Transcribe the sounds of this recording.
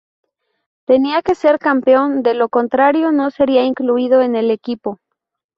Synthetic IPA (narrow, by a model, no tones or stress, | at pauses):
t̪e̞niake̞se̞ɾkampeo̞nd̪e̞lo̞ko̞nt̪ɾaɾjo̞no̞se̞ɾiaiŋkluiðo̞e̞ne̞le̞kipo̞